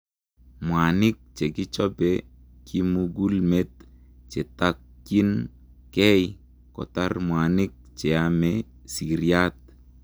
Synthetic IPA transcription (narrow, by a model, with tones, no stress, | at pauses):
mwa˨nɪ˦k̚t͡ʃe˨ki˦t͡ʃɔpɛ | kʰimuɡu˦lmet̪̚ | t͡ʃe˨takːi˦n | kɛ˦j | kɔ̰˨tarmwa˨nɪk̚t͡ʃɛ˨amɛ | si˨ɾjat̪̚